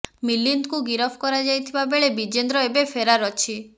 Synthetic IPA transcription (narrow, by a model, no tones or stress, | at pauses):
milind̪kuɡiɾɔpʰkɔɾad͡ʒajt̪ʰibabeɭebid͡ʒend̪ɾɔebepʰeɾaɾɔt͡ʃʰi